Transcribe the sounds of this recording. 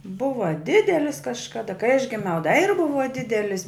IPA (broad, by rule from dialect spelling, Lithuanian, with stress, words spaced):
ˈbʊʋɐ ˈdʲɪdʲɛlʲɪs kɐʃkɐˈdɐ kɐɪ ɐʃ ɡʲɪˈmʲɛʊ dɐ ɪr ˈbʊʋɐ ˈdʲɪdʲɛlʲɪsʲ